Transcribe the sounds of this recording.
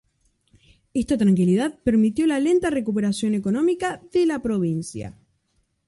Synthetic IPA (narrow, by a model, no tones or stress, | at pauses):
est̪at̪ɾaŋkiliðaðpeɾmit̪jo̞lale̞nt̪are̞kupe̞ɾasjo̞ne̞ko̞nõ̞mikaðelapɾo̞β̞insja̰